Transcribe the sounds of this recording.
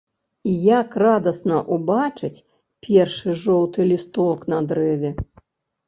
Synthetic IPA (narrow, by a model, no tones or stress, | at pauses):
ijakrad̪ɐsnɐʔubat͡ʂɨt͡sʲ | pʲerʂɨʐɔwt̪ɨlʲist̪ɔknɐd̪ɾɛvʲɛ